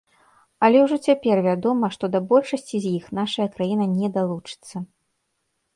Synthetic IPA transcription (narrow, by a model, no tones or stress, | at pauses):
ɐlʲɛwʐɔt͡sʲapʲɛrvʲad̪ɔmɐʂt̪ɔd̪ɐbɔlʲʂɐsʲt͡sʲizʲjixnaʂɐjɐkɾajinɐnʲɛd̪alˠut͡ʂɨ̥t̪sːɐ